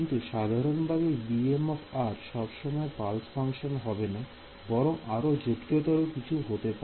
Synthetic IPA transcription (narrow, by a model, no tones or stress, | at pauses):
nt̪uʃad̪ʱaɾonbʱabebiemɔfaɾʃɔbʃɔmɔepalsfʰaŋkʃonɦɔbena | bɔɾoŋʔaɾod͡ʑupt̪ot̪aɾokit͡ɕʰuɦot̪epa